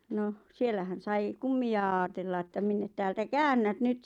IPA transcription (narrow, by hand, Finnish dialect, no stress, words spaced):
noh sielːæhæn sɑi kumːiɑ ɑːtelːɑ etːæ minːe tæːltæ kæːnːæt nyt